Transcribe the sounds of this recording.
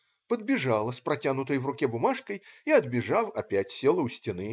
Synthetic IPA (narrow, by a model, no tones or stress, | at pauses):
pəd̪̚bʲɪʐalˠəspɾɐtʲanʊt̪əjvrʊkʲɛbʊmaʂkəjiɐd̪bʲɪʐawɐpʲætʲsʲelˠəʊsʲtʲɪnɨ